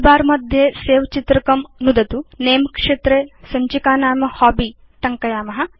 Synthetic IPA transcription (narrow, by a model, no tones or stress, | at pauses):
baːɾmɐd̪ʱjeːseːʋɐt͡ʃit̪ɾɐkɐmnud̪ɐt̪uneːmkʂeːt̪ɾeːsɐɲt͡ʃikaːnaːmɐhaːbiː | ʈɐŋkɐjaːmɐɦɐ̆